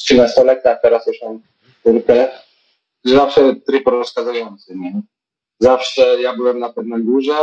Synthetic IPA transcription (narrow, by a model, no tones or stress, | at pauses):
t͡ɕilɛst̪ɔlɛk̚t̪at̪ɛɾasjuʂmɔm | k̪uɾkɛ | zafʂɛt̪ɾipɾɔskazajɔnt̪sɨɲɛ | zafʂɛjabɘwɛmnapɛvnad̪uʐɛ